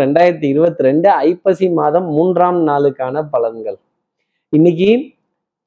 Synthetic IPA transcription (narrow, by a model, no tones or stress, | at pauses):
ɾɛɳɖaːjɪɾɐt̪̬ːiɪɾɯbɐt̪ːɯɾɛɳɖɯɐɪpːɐsimaːðɐmːuːndraːmnaːlɯkːaːnɐpɐlɐŋɡɐɭ | ɪnːɪk̬ːi